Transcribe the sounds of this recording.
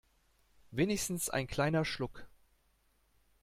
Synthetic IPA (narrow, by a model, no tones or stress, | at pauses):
veːnɪçstn̩sʔa̰ɪnkʰl̥aɪnɐʃlʊk